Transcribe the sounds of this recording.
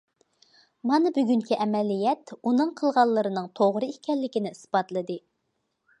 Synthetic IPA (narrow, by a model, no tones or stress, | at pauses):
mɑnɨbyɡʲyŋkʲiʔɛmɛlijɛt̪unɨŋqʰəlˠʁɑlˠːəɾɨnɨŋt̪ʰoʁɾɨikʲɛlːɪkʲinɪɨsbɑt̪lˠɨd̪ɨ